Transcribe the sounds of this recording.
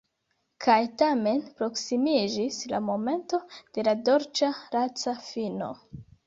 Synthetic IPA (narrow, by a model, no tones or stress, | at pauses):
kʰajtame̞npɾo̞ksimid͡ʒisla̰mo̞me̞nto̞d̥e̞lado̞ɾt͡ʃaɾat͡safino̞̰